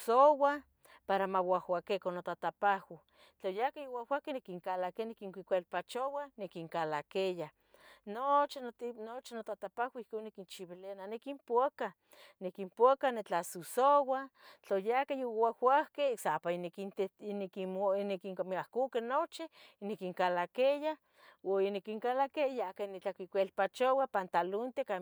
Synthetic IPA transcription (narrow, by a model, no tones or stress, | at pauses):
sowa | paɾamawahwʷakekonot̪at̪apahwa | t͡ɬojakajowawʷahkenekiŋkalakenekiŋkʷikʷelpat͡ʃowanekiŋkalakeja | not͡ʃinot͡ʃinot̪at̪apawʷaihkonːekint͡ʃiβileananekimpuaka | nekimpoakanet͡ɬasusowat͡ɬojakajowahwahkesapankit̪enekinekiŋkamiahkukenot͡ʃinekiŋkalakeja | wainekiŋkalakejakanit͡ɬakʷikʷelpat͡ʃowapant̪alunt̪eka